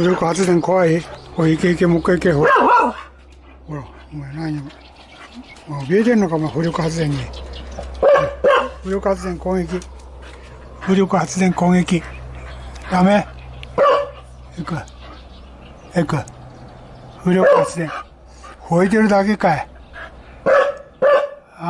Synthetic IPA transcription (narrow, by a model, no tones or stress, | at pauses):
hɯɾʲokɯhat͡sɨd̪ẽŋkoβaihoiikeikemokːaikeho | oɾa | menaɲi | maobʲiet̪eɾɯnokamaɸɯɾʲokɯhat͡sɨd̪ẽ̞ɲːi | ɸɯɾʲokɯhat͡sɨd̪eŋkõŋek̬ʲi | ɸɯɾʲokɯhat͡sɨd̪ẽ̞ŋkõŋɡekʲi | d̪̥ame | ekɯ | ekɯ | ɸɯɾʲokhat͡sɨd̪ẽŋ | hoit̪̬eɾɯ̟d̪ake̞kae